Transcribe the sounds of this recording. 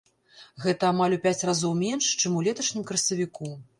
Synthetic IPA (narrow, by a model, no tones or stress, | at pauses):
ɣɛt̪ɐamalʲupʲæt͡sʲrazɔwmʲɛnʂt͡ʂɨmulʲɛt̪ɐʂnʲimkɾɐsɐvʲiku